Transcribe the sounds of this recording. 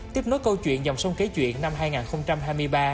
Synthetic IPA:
t̪i˦˥əp̚no˨˦jkə˧wt͡ɕwḭ˧˨ənza˨˩ŋ͡msə˧wŋ͡mke˨˦t͡ɕwḭ˧˨ənːa˧mɦaː˧jŋaː˨˩nxə˧wŋ͡mt͡ɕa˧mɦaː˧jmɨ˧əjɓaː˧

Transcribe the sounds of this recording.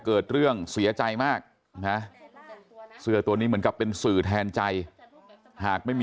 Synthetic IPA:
kɤː˨˩t̪̚ɾɯ˥˩əŋsi˨˩˦ɐt͡ɕa˧jmaː˥˩k̚ | na˦˥ | sɯ˨˧˩ɐt̪u˧niː˦˥m˩˦ənka˨˩pːe˧nsɯː˨˩t̪ʰɛː˧nt͡ɕa˧j | haː˨˩k̚ma˥˩jm

